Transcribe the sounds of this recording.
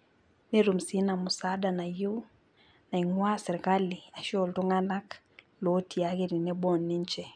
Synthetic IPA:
nɛ˦ɾu˨m̩si˦na˨mu˨sada˨na˨j | na˨iŋwa˦sɛ˨ɾi˨ka˦li˨a˨ʃɔ˦˨ltu˦ŋa˦na˦k | lo˦ti˨aɣe˦ɾi˨nɛ˦bɔ˦nːi˦ɲt͡ʃɛ˨

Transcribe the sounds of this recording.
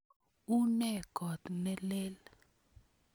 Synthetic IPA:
u˦nɛ˦˨ɡʱɔ˨t̪nɛ˦le˦l

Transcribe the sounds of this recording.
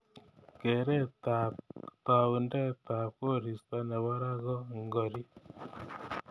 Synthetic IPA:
ke˨ɾɛ˦tata˨u˨ndɛ˦ta˨ko˦ɾi˨sta˦na˨βɔ˦ɾa˦ɣɔ˦ŋɡɔ˨ɾi˦

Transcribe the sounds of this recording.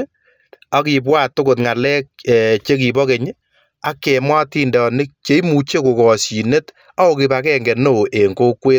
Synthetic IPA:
a˦ki˨pwa˦to˦ko˨tŋa˨lɛ˦k̚ɛ˨t͡ʃe˦ki˨bɔ˦ke˨ɲ˦ | a˦kːe˨mwa˦ti˨ndɔ˨nɪ˦k̚t͡ʃe˦i˦mu˨t͡ʃe˦ko˨kɔ˨si˨ne˦t | a˦o˨ki˧pa˨kɛ˦ŋɡɛ˨no˦˨ʔe˨ŋɡo˦kweː˦t

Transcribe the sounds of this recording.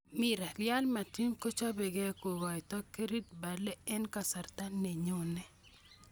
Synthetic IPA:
mi˨ɾa˨lja˦lma˨ti˦mko˦t͡ʃa˦be˨ɡɛ˦ko˨wa˨jtɔ˦ke˦ɾi˦t̚ba˨lɛ˦ɛ˦nka˨sa˨ɾt̪a˦ne˨ɲo˦nɛ˨

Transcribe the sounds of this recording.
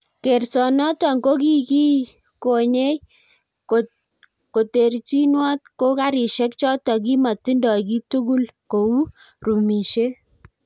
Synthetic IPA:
ke˨rsɔ˨nɔ˦tɔ˨ŋɡo˦ki˦ki˦ | ko˨ɲe˦j | o | ko˨te˨ɾt͡ʃi˦nwa˦t̚ko˦ka˦ɾi˨ʃɛ˦k̚t͡ʃɔ˦tɔ˨k̬i˦ma˨ti˦ndɔ˨ki˦tu˦ɡu˦lko˨u˦ | ru˨mi˨ʃe˦

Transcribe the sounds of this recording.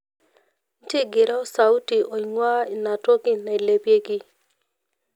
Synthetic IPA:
n̩˦tɪ˦ɡɪ˨ɾɔ˦sa˨u˦ti˨ʔo˨ɲwa˦i˨na˨to˦ɡɪ˦na˨i˨le˨bje˦ɡɪ˦

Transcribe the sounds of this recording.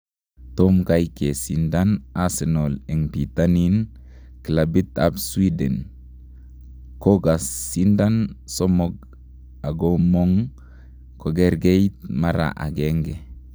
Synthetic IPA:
to˦mka˦jke˨sinda˦na˦se˨no˨le˨ŋbi˨t̪a˦ni˦n | ki˨la˨bi˦t̪a̰˦bswi˦dḛ˨n | ko˦ɡa˨sːi˦nda˦nso˦moɡ | a˨ɡomo˦ŋ | ko˨ɡe˦ɾɡe˦jt̪̚ma˦ɾa̰˨ʔa̰˨ɡe˦ŋɡe˨

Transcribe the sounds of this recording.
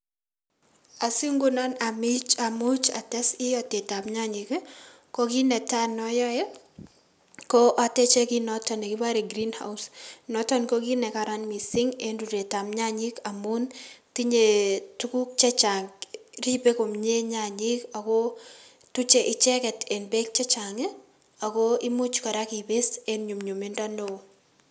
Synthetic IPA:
a˨si˦ŋɡu˦nɔna˨mi˦t͡ʃamu˦t͡ʃa̰˨tɛ˦si˦ɔ˨te˨ta˨mɲa˦ɲi˨k | ko˦ɡi˦nɛ˨tanɔjɔ˦ɛ | kɔ˦ʔa˨tɛ˦t͡ʃe˦kinɔtɔ˨ne˨kɪ˦ba˦ɾe˨ɡɾinha̰˨usnɔtɔ˦nko˦ɡi˦nɛ˨ka˨ɾanmi˨sɪ˦ŋe˦ndu˨ɾe˨ta˨mɲa˦ɲi˦ka˨mu˦nti˦ɲe˨tu˦ku˦k̚t͡ʃɛ˦t͡ʃa˨ŋri˦pe˦ko˨mɲe˦ɲa˨ɲi˦ka˨ko˦ | tu˦t͡ʃe˨ʔɪ˨t͡ʃɛ˦kɛ˨te˨nbe˦k̚t͡ʃɛ˦t͡ʃa˨ŋe | a˨ko˦i˦mu˦t͡ʃka˨ɾa˦ki˨bɪ˦senɲu˨mɲu˨me˦nda˦no˦˨

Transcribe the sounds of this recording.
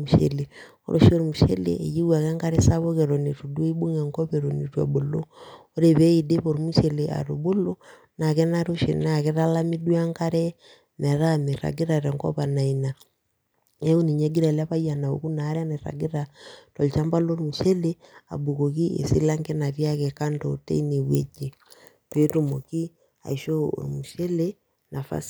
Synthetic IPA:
u˨ʃɛ̰˨le˨ | o̰˦ɾʔo˨ʃo˦ɾi˨mu˨ʃɛ̰˦lḛʔːji˦ɡwa˨kɛ˦ŋka˦ɾɛ˦sa˦βo˦kɛ˨ɾɔ˨ne˨tu˨du˦i˦bu˦ŋɛ˨ŋkɔ˦βɛ˨ɾo˨ne˨twa̰˨bo˨lo˦o˦ɾe˨βɛ˦i˨de˦βo˨ɾu˦mu˦ʃɛ˨lea̰˨ɾu˨bo˦lo˦ | na˨kɛ˦na˦ɾo˦ʃḛ˨l̰na˨kɛ˦ɾa˦la˦mi˦du˦a˦ŋka˦ɾɛ˦ | nɛ˨ɾa˦me˨ɾa̰˨ɡe˦ɾa˨ɾɛ˨ŋkɔ̰˦pa˨na˨ina˨ | ɛ˦u˦ni˨ɲɛ˦ɡi˦ɾa˨la˦βa˦ja˨na˨o̰˨ku˦na˨˦ɾja˦ne˨ɾa̰˨ɡi˦ɾa˨tɔ˨lt͡ʃa˦mba˦lo˦ɾmu˨ʃɛ˦le˦a̰˨bu˨ko˨ki˦ʔḛ˨si˦la˦ŋɡɛ˦na˨βja˦kɛ˨ka˦ndɔ˨tɛ̰˦i˦ne˨βwɛ̰˦d͡ʒe˨ | te˨˦to˦˨mo˨ki˦ | a̰˨i˨ʃo˦o̰˨ɾmu˨ʃɛ˦le˦ | na˨fa̰˦s

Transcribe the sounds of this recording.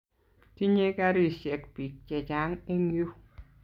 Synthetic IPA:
ti˦ɲe˦ka˦ɾi˦˨ʃɛ˨k̚bi˨k̚t͡ʃɛ˨d͡ʒa˨˦ŋe˦mjo˦

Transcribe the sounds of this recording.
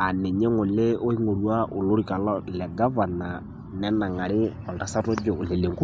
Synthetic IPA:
a˨nɛ˨ɲɛ˦ŋo˨le˦o˦i˦ŋo˨ɾwa˦ʔo˨lo˦ɾi˨ka˨lɔ˦lɛ˨ɡa˦va˨na˨ | nɛ˦na˨ŋa˨ɾe˦a˨lta˨sa˦tɔ˦d͡ʒɔː˨le˨le˨ŋku˦

